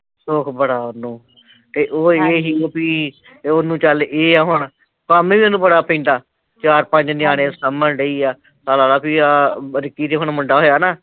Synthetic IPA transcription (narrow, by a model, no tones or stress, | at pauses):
soːkʰbəɽaːʊnːũː | t̪eːʔoːeːɦiːoːpiː | onũːt͡ʃalʔeːaːɦʊɳ | kaːmẽːʋiːʊnːũːbəɽaːpĩːnd̪aː | t͡ʃaːɾpə̃ɲd͡ʒnɪaːɽ̃ẽːsəmːənɖəiːaː | saːlaːɾaːpiːaːɾɪkːiːt̪eːɦʊɳmʊɳɖaːɦoːjaːnaː